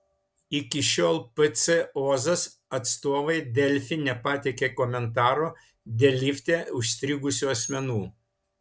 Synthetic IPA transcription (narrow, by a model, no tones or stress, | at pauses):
ɪkʲɪʃʲoːlˠpɨt̪sʲɛoːzɐsɐt̪st̪oːʋɐɪd̪ʲɛlʲfʲɪnʲɛpɑt̪ʲɛkʲeːkɔmʲɛnt̪ɑːɾoː | d̪ʲɛlʲɪfʲt̪ʲeːʊʃsʲt̪ʲɾʲɪɡʊsʲuɐsʲmʲɛnuː